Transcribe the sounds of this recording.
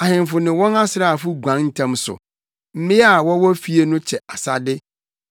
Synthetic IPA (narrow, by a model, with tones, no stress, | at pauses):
a˨ɦɪ̃˨m˨fʊ˨nɪ̃˨wɔ̃˦na˦sɪ˨ɾa˦˨a˨fʊ˦ɡʷã˨˦nn̩˦tʰã˦msʊ̰˨ | m̩˦mɪ̃˦a˦˨wɔ˦wɔ˦fi˦e˦nʊ̃˦t͡ɕʰɛ˨a˨sa˦dɪ˦